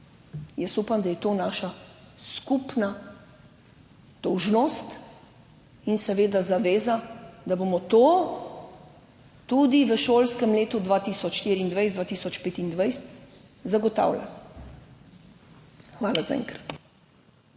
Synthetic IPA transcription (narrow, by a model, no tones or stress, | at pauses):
jəsupamd̪ajɛt̪oːnaːʃaskupna | d̪̥ɔwʒnost̪ | insɛʋeːd̪azaʋeːzad̪abomɔt̪o | t̪ud̪iʋəʃoːlskɛmleːt̪ud̪ʋaːt̪iːsɔt͡ʃʃt̪iːɾiːnd̪ʋajsd̪ʋaːt̪iːsɔt͡ʃpeːt̪ind̪ʋajs | zaɡɔt̪a̰ːwla̰l | xʋaːlazaɛ̰ŋkɾat̪